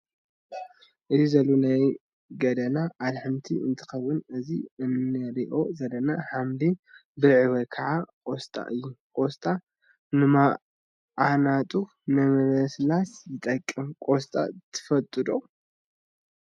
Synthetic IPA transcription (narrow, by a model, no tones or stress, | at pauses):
ʔɨzizɐlːunaj | ɡɐd̪ɐnaʔalħɨmt̪ʰiɨ̰nt̪ʰɨ̥xɐwɨnɨziɨnːɨɾiʔo̞zɐlɐnaħamd̪ibɨʕɨβɐkʰɐʕakʼost̪ʼa̰ʔɨjːukʼost̪ʼa | nɨma | ʕanat̪ʼu | nɨmɐmɐslasjɪt̪ʼɐkʼːɨmkʼost̪ʼa̰t̪ʰɨ̥fɐt̪ʼːɨd̪o